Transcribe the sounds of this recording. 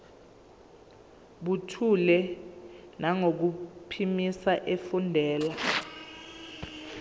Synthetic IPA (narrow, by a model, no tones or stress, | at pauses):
ɓutʰulɛ | naŋok̬upʰimisaʔefundʱɛːla